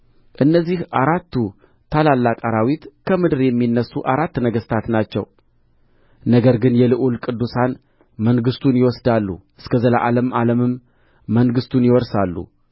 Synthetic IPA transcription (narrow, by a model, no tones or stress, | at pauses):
ʔɨnːəzːihʔaɾat̪ːu | t̪ʰalalːakʼaɾawit̪kʰəmɨd̪ɨɾjɛmːinːəsːuʔaɾat̪ːnəɡəst̪ʰat̪nat͡ʃːɛ̰w | nəɡəɾɡɨnjɛlɨʔulkʼɨd̪ːusan | məŋɡɨst̪ʰunjɪwɔsd̪alːṵʔɨskʰəzəlaʔaləmʔaləmɨmː | əŋɡɨst̪ʰunjɪwɔɾsalːṵ